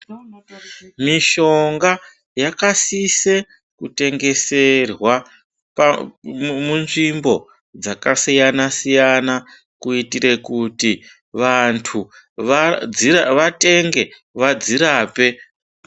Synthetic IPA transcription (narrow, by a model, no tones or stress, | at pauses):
miʃo̞ŋɡa | jakasise | kute̞ŋɡe̞se̞rwa | p | munʐimbo̞ | d͡zakasijanasijana | kuitiɾe̞kuti | ʋantʰu | iʋate̞ŋɡe̞ | ʋad͡ziɾaːpe̞